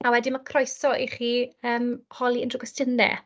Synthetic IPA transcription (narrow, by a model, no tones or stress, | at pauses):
awɛdimakʰrɔjsɔʔiχiːəːmhɔlˠiəndrʊɡəstəndɛ̰